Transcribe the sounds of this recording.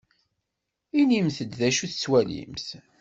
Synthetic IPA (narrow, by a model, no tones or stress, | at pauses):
inimθəd̪ðæʃuθt͡sːwælḭmθ